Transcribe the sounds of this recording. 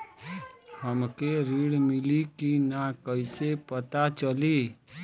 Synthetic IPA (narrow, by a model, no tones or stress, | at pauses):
həmkeɾiːɽmɪlikinakəɪsepət̪at͡ʃəliː